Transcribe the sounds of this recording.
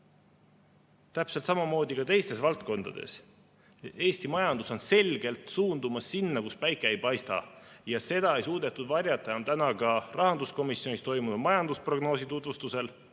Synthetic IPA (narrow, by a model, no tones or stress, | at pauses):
t̪æpse̞lt̪sɑmɑmo̞ːd̪̥ikɑt̪e̞jst̪e̞svɑlt̪̚ko̞nd̪̥ɑ̰d̪̥e̞̰s | e̞ːst̪imɑjɑnd̪̥uso̞nse̞lɡ̥e̞lt̪suːnd̪umɑsːinːɑkuspæjkːˑeejpɑjst̪ɑ̰jɑse̞d̪̥ɑe̞jsuːd̪̥e̞t̪ːˑud̪vɑrʲjɑt̪ːˑɑjɑnt̪ænɑkɑrʔɑɦɑnd̪usko̞misjo̞nist̪o̞jmunumɑjɑnd̪uspro̞ɡ̥no̞ːsit̪ut̪vust̪use̞l